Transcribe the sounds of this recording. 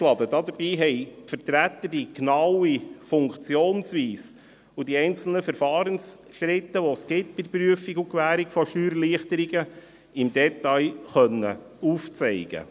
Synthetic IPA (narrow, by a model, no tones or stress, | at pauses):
lɑd̪ədɑd̪əbiːɦɛɪtfəɾtɾæt̪ːəd̥iknɑwifʊŋkt͡sjoːnsʋiːs | ud̥iɛɪnt͡sl̩nəfəɾfɑːɾəns | ʃɾɪtːəʋosɡ̥ɪtb̥ɪdpɾyəfiɡukʋæːɾikfɔʃyːɾliəχt̪əɾiɡə | ɪmdɛtɑjχœnːə̰ | uːft͡sɛɪɡ̥ə̰